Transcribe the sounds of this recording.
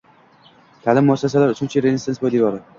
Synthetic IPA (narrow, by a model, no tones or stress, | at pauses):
t̪ʰalɪmːʊasːas̬alaɾʊt͡ʃʰʊnt͡ʃʰiɾezʲisensbojd̪evɒɾɪd̪